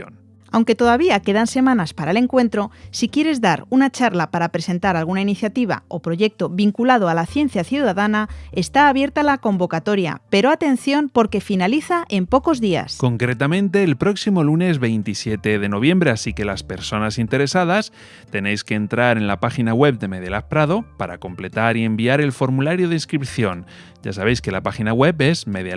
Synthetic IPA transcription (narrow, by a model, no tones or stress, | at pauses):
on | awŋke̞t̪o̞ðaβ̞iake̞ðanse̞mãnaspaɾaele̞ŋkwe̞nt̪ɾo̞sikje̞ɾe̞zðaɾunat͡ʃaɾlapaɾapɾe̞se̞nt̪aɾalɣunainiθjat̪iβ̞a̰o̞pɾo̞ʝe̞k̚t̪o̞βiŋkulað̞o̞alaθje̞n̟θjaθjuðaðanae̞st̪aːβje̞ɾt̪alako̞mbo̞kat̪o̞ɾja̰pe̞ɾo̞at̪ẽ̞n̟θjo̞mpo̞ɾke̞finaliθaʔe̞mpo̞ko̞zðia̰sko̞ŋkɾe̞t̪amẽnt̪e̞ːlpɾo̞ksimo̞lune̞zβe̞jnt̪isje̞t̪e̞ðe̞no̞β̞jẽ̞mbɾe̞asike̞laspe̞ɾso̞nasint̪e̞ɾe̞sað̞as | t̪e̞ne̞jske̞ːnt̪ɾaɾe̞nlapaxinaɣwe̞β̚d̪e̞meðjelapɾaðo̞paɾa̰ko̞mple̞t̪aɾie̞mbiaɾe̞lfo̞ɾmulaɾjoð̞einskɾip̚θjo̞n | ɟ͡ʝa̰saβ̞e̞jske̞lapaxinaɣwe̞pe̞zmeð